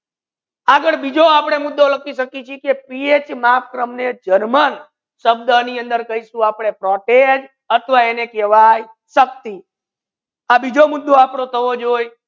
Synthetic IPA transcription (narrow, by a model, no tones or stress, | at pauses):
aɡəɭbid͡ʒoapɽ̃emʊd̪ːolək̚iʃəkit͡ʃʰikepiet͡ʃmapkɾəmned͡ʒənmən | ʃəb̚d̪əniənd̪əɾkəɦiʃũapɽ̃epɾɔʈed͡ʒ | ət̪ʰʋaenekeʋaj | ʃək̚t̪i | abid͡ʒomʊd̪ːoapɽ̃ot̪ʰəʋod͡ʒoj